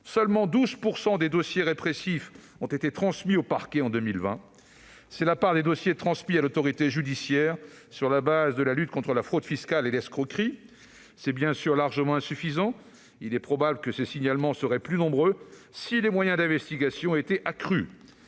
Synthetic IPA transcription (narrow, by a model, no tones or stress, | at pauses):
sœlmɑ̃d̪uzpuʁsɑ̃d̪ed̪osjeʁepχesif | ɔ̃t̪et̪et̪χɑ̃smiopaʁkʲɛɑ̃d̪ømilvɛ̃ | sɛlapaʁd̪ed̪osjet̪χɑ̃smialot̪ɔʁit̪eʒyd̪isjɛʁ | syʁlabazd̪əlalyt̪̚kɔ̃t̪χəlafχod̪fiskʲalelɛskχɔkχi | sɛbjɛ̃syʁlaʁʒəmɑ̃ɛ̃syfizɑ̃ | ilɛpχɔbabləkəsesiɲalmɑ̃səʁɛplynɔ̃bʁø | silemwajɛ̃d̪ɛ̃vɛst̪iɡʲasjɔ̃et̪ɛʔakχy